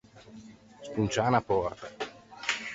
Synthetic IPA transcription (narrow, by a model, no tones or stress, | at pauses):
spunt͡ʃaːnapɔrt̪a